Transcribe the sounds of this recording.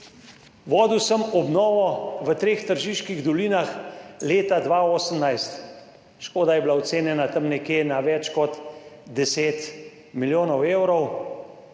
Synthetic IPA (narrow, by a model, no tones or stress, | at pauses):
ʋɔːd̪iwsəmɔbnɔːʋɔʋət̪ɾeːxt̪əɾʒiːʃkiɣd̪ɔliːnaxleːt̪ad̪ʋaoːsəmnajst̪ | ʃkoːd̪ajɛbilawt̪seːnjɛnat̪əmnɛkjeːnaʋɛt͡ʃkɔt̪d̪ɛseːt̪ | miljoːnɔwewɾɔw